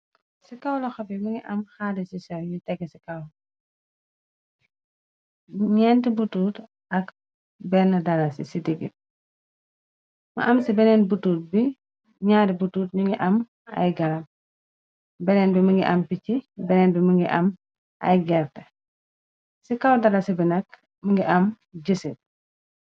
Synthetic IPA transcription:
sikɐwlɔxɐbimɐŋɡiʔɐmxadɛsisɐwjitɛɡːɛsikɐw | ɲɛntibutuːt | ɐk | bɛnɐdɐlɐsḭsidiɡḭt̚ | mɐ̰ʔɐmsibɛnɛnbutuːt̚bi | ɲaːɾibutuːt̚ɲuŋɡiʔɐm | ɐ̰jɡɐlɐm | bɛnɛnbiməŋɡiʔɐmpicibɛnɛːnbiməŋɡiʔɐ̰m | ɐ̰jɡɛɾtɐ | sikawdɐlasibinɐk̚ | məŋɡiʔɐm | ɟəsit̚

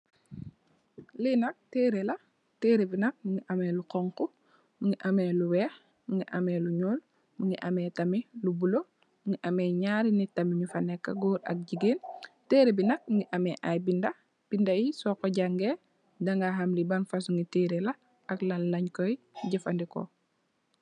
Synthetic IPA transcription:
linɐk̚teːɾelɐ | teːɾebinɐk̚mŋiʔamɛlukɔŋku | muŋɡiʔamɛluwɛːx | muŋɡiʔamɛluɲuːl | muŋɡiʔamɛtɐmilubulo | muŋɡiʔɐmɛːɲaːɾinitɐmiɲufanɛkːa̰ɡuːɾɐ̰k̚ɟiɡenteːɾebinɐk̚ŋɡiʔɐmɛʔajbindɐ | b̥indajisɔːkɔɟaŋɡe | daŋɡaɦamlibanfas̬uŋɡiteːɾela | aklanlɐɲkɔj | ɟɐfandiko̰

